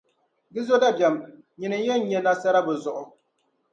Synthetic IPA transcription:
ɡɪ˦zo˦da˦bjɛ˨m | ɲɪ˨nɨ˨˦jɛ˦n˦ɲɛ˦la˦sa˦ɾa˦bɨ˨zʊ˨ʔʊ˦

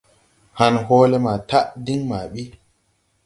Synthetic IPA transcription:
ha˨nhɔː˦le˦ma˨ta˦ʔdi˦ŋma˨ɓi˦

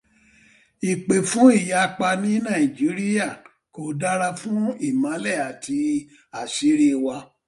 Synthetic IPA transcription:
i˨k͡pe˨fũ˦i˦˨ja˨˧k͡pa˧nĩ˨˦nã˦˨i˨d͡ʒi˨˦ɾi˦ja˦˨ | ko˨da˦ɾa˧fũ˦i˦˨mã˨˦lɛ˦˨a˨tʰi˧ | a˨si˨˦ɾi˦˨˧wa˧˦

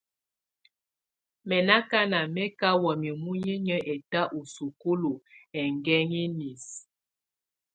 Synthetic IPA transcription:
mɛ˨na˦ka˦na˨mɛ˦ka˦wɔ˨m˨i˨mu˦ɲi˦ɲə˦ʔɛ˨ta˦ʔu˨su˨ko˦lo˨ɛ˨ŋɡɛ˦ŋi˦ni˨s

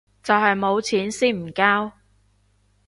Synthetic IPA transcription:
t͡sɐ˨wɦɐ˨jmo˨˧wt͡sʰiː˨˥nsiː˥nm̩˨˩kaː˥w

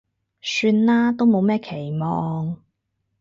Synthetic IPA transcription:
syː˧nlaː˥t̪o˥wmo˨˧wmɛː˥kʰe˨˩jmɔː˧˨˧ŋ

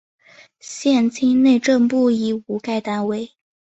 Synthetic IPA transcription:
ɕjɛ˥˩nt͡ɕʰi˥ŋne˥˧ɪʈ͡ʂɤ˥˧ŋpu˥˩i˧˩u˧˥ka˥˧ɪt̪a˥nwe˥˩ɪ

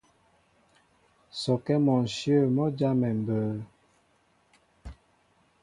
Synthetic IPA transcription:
sɔ˨kɛ˦mɔ˨n̩˨sjə˦˨mɔ˦d͡ʒa˦mɛ˨m˨bəː˨

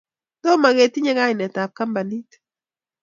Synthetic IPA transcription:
dɔ˦ma˨ɣe˨t̪i˦ɲɛ˦ŋa˦˨nɛ˨ta˨p̚ka˦mba˨ni˦t

